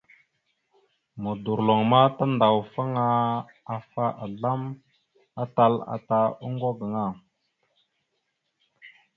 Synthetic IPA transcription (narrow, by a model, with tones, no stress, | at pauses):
mu˨du˨ɾlo˨ŋma˦ta˦nda˨wfa˦ŋa˦ | a˨fa˦ʔa˨ɮa˦m | a˦ta˦la̰˨ta˨u˦ŋɡo˦ɡə˨ŋa˦˨